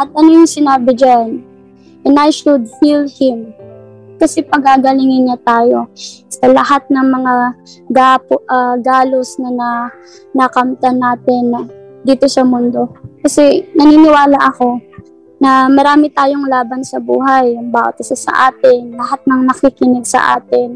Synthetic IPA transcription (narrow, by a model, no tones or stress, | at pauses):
ʔɐt̪̚ʔɐnojʊŋsɪnaːbɪd͡ʒan | ʔɛnajʃʊd̪̚filhɪm | kɐsɛpɐɡaːɡɐlɪŋɪnɲat̪aːjo̞sɐlɐhat̪̚nɐŋmɐŋa | ɡapʔɐɡaːlosnɐnɐ | nɐkɐmt̪ɐnaːt̪ɪnd̪iːt̪o̞sɐmʊnd̪o̞kɐsɛnɐniːnɪwaːlɐʔɐko̞ | nɐmɐɾaːmɪt̪aːjo̞ŋlaːbɐnsɐbṵːɦɐjʊŋbaːʔo̰t̪ɐsɐsɐ̰ʔaːt̪ɪnlɐhat̪̚nɐŋnɐkikɪnɪɡsɐ̰ʔa̰ːt̪ɪn